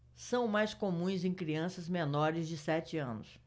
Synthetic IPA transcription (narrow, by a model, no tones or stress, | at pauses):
sɐ̃w̃majskomũj̃zẽj̃kɾiɐ̃sɐzmenɔɾɪzd͡ʒɪsɛt͡ʃɪɐ̰̃nʊ̰s